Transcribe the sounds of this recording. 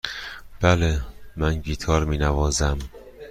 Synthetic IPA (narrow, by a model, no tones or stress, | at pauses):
b̥ælemænɡiːt̪ʰɒːɾmiːnævɒːzæm